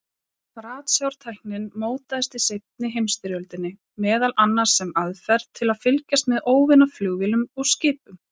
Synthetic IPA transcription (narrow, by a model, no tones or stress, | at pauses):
fɾaːt̪sjawɾ̥t̪ʰajhknɪnmoːwt̪aðɪst̪ɪsejt̪̚nɪɦejmst̪ɪɾjœlt̪ɪnːɪ | mɛːðalanːaɾ̥sɛmaðfɛɾðt̪ʰːɪlaðfɪlcast̪mɛðoːwvɪnaflʏɣvɪlʏmɔɣscɪːpʏm